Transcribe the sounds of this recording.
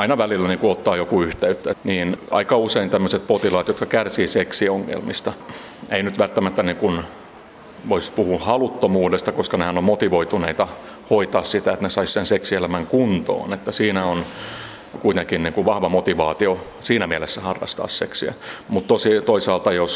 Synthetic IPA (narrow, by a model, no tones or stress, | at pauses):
ɑinɑʋælilːæniːŋkuot̪ːɑːjokuyht̪eyt̪ːæniːnɑ̰ikɑuseint̪æmːøset̪̚pot̪ilɑːt̪jot̪kɑkærsiːseksioŋːḛlmḭst̪ɑ | einyt̪ʋælt̪ːæmæt̪ːæniːŋkun | ʋoispuhuhɑlut̪ːomuːdest̪ɑkoskɑnehænommot̪iʋoit̪uneit̪ɑ | hoit̪ɑːssit̪æet̪nesɑissenseksielæmæŋkunt̪o̰ːnet̪ːæsiːnæon | kuit̪eŋkinniːŋkuʋɑhʋɑmot̪iʋɑːt̪io | siːnæmiælesːæhɑrːɑ̰st̪ɑ̰ːsseksiæ̰mut̪t̪osit̪oisɑːlt̪ɑjos